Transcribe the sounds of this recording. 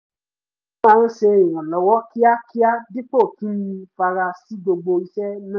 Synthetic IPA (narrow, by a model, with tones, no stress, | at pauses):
ãː˦˧n̩˦ʃe˧i˨w̃ã˨lɔ˨wɔ˦ki˦a˦ki˦a˦di˦k͡po˦˨kĩ˨˦jĩ˧fa˧ɾa˧si˨˦ɡ͡bo˧ɡ͡bo˧i˧ʃɛ˦nã˦